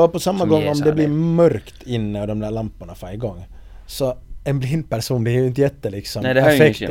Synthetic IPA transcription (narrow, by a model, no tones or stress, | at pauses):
ɔpɔsɑmːəɡɔŋːɔmd̪ɛblɪmœɾkt̪ʰɪnːəɑʋd̪ɔmd̪æːɾlɑmpɑnɑfɑɪɡɔŋː | sɔɛnblɪnpæɾsuːnd̪ɛjɪnt̪əjɛt̪ːəlɪksɔmæɾfɛkt